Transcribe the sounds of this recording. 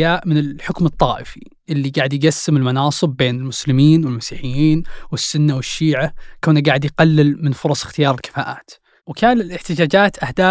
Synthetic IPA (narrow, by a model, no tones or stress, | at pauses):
jaːʔmɪnɪlħʊkmɨt̪ˤːɑːʔɪfi | ʔɪlːiɡaːʕɪd̪jɡasːɪmɪlmɑnɑːsˤɨbːeːnɪlmʊslɪmiːnwɪlmasiːħɪjːiːnwɪsːʊnːawɪʃːiːʕakaːnaɡaːʕɪd̪jqalːɪlmɪnfʊɾˤɑsˤɪ̥xt̪ɪjɑːɾˤɪlkɪ̥faːʔaːt̪ | wkaːlɪlɪħt̪ɪd͡ʒaːd͡ʒaːt̪ʔahd̪aː